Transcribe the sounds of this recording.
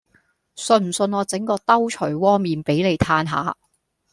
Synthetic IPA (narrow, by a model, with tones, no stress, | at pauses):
sɵ˧nm̩˨˩sɵ˧nɔː˨˧t͡sɪ˨˥ŋkɔː˧t̪ɐ˥wt͡ʃʰɵ˨˩jwɔː˥miː˨npe˨˥jle˨jt̪ʰaː˧nɦa̰ː˨˧